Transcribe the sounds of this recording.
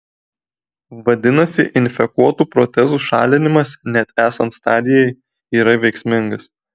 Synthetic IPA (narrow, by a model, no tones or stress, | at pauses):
ʋɐd̪ʲɪnɐsʲɪʔɪnʲfʲɛkuɔt̪uːpɾɔt̪ʲɛzuːʃɑ̰ːlʲɪnʲɪmɐsnʲɛt̪æːsɐnt̪st̪ɑːd̪ʲɪjɛɪ | iːɾɐʋʲɛɪksʲmʲɪŋɡɐs